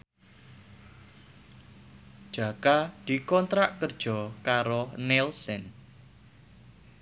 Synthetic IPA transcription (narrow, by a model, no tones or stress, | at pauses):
d̥ʒ̥a̤kad̪̥i̤kɔnt̪ɾaʔkərd̥ʒ̥ɔ̤kaɾonɛlsən